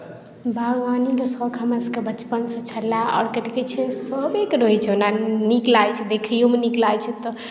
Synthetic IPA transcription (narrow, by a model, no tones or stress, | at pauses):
bʱəɡʋanid̪osɔkʰəməskebət͡ʃpənsə̃t͡ʃʰəlaɔ̰ːɾkət̪iket͡ʃʰɛsəbekɾoit͡ʃʰonaniklajt͡ʃʰɛd̪ekʰijomeniklajt͡ʃʰɛt̪ɔ